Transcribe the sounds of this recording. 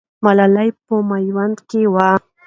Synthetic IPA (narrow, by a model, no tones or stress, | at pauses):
malalajp̚əmajwand̪kewa